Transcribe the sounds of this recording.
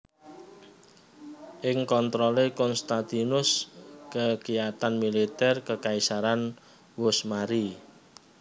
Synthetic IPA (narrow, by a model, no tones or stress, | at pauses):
ʔɪŋkɔnt̪ɾɔlekɔnst̪at̪inʊskəkijat̪anmilit̪ɛrkəkaisaɾan | wʊsmaɾi